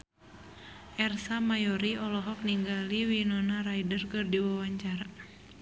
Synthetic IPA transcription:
ʔɛrsamajɔɾiɔlɔɦɔk̚niŋɡaliwinɔnaɾajdərkɨrdiwawaɲt͡ʃaɾa

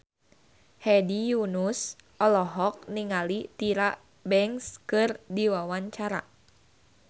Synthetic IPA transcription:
hɛdijunusʔɔlɔɦɔk̚niŋalit̪iɾaʔ | bɛŋskɨrdiwawaɲt͡ʃaɾa̰

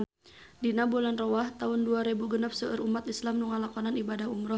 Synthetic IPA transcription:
n | dinabulanrɔwaht̪aʊnduaɾebuɡənap̚səʔəɾumat̪islamnuŋalakɔnanibadaɦumɾɔ

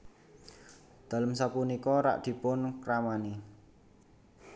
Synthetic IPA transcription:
d̪̥a̤ləmsapunikɔɾa̰ʔd̪̥i̤pʊnkɾamani

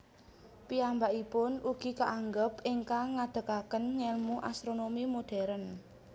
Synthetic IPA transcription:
piambaʔipʊnʔuɡ̥i̤kaʔaŋɡəpɪŋkaŋad̪̥ə̤kakənŋɛlmuʔa̰st̪ɾonomimoɖ̥ɛ̤ɾən

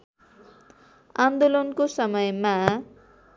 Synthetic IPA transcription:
and̪olonkosʌmʌjma

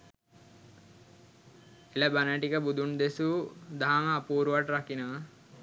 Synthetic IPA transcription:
eləbanəʈikəbud̪und̪esud̪aɦaməːpuːɾuʋaʈɾakina

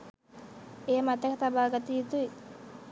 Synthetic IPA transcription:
eamat̪akat̪abalkat̪iːt̪ui

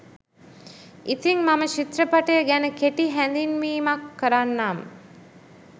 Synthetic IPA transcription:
it̪iŋmaməʃit̪ɾəpaʈəjəɡænəkeʈiɦænd̪inʋiːmakːəɾanːaːmə̰

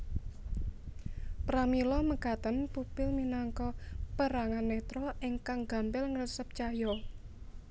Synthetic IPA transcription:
pɾamilɔməkat̪ənpupɪlminaŋkɔpəɾaŋanmet̪ɾɔɪŋkaŋɡa̤mpɪlŋɾəsəp̚t͡ʃajɔ

